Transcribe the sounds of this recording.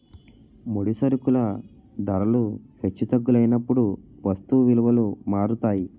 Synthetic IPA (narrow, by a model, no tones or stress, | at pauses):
moɽisɐɾukulɐ | d̪ɐɾɐluhe̞t͡ʃːut̪ɐɡːulɐjnɐpːuɽuʋɐst̪uʋiluʋɐlumaːɾut̪aːji